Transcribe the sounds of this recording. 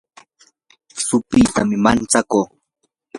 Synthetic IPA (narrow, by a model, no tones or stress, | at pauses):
sʊpɪt̪amɪmant͡sakoː